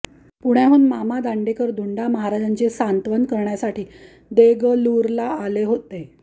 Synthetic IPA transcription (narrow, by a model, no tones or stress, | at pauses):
puɽ̤̃jaɦuːnmamad̪aɳɖekəɾd̪ʱuɳɖaməɦaɾad͡ʑaɲt͡ɕesant̪ʋənkəɾɳjasaʈiː | d̪eɡəluɾlaaleɦot̪e